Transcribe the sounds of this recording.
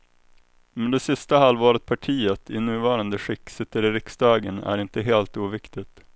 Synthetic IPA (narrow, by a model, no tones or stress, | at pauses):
mɛnd̪ɛsɪst̪aɦalvɑːɾət̪̚pʰaʈʰiːət̪ʰɪnʉ̟ːvɑːɾand̪əɧɪkːsɪt̪ːəɾɪɾɪksd̪ɑːɡənæ̰ɾɪnt̪əɦeːlt̪uːvɪkt̪ɪt̪